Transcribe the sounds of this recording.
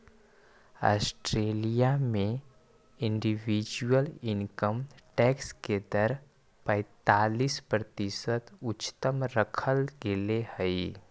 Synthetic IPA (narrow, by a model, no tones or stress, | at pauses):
a̰ːsʈɾeːlijamẽ | ɪ̃ɳɖiʋid͡ʒuwəlɪnkəmʈeːksked̪əɾ | pə̃ɪt̪aːliːspɾət̪ɪsət̪ʊt͡ʃːt̪əmɾəkʰəlɡelehəi